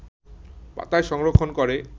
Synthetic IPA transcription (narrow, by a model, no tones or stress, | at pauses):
pa̰t̪aeʃɔŋɾokʰːonkoɾe